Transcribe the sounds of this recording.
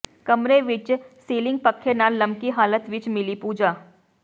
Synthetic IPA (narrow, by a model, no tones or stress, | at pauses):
kɐmɾeʋɪt͡ʃsiːlɪ̃ŋɡ̚pɐkʰːenalɐ̃mkiɦaːlət̪ʋɪt͡ʃmɪlipuːd͡ʒaː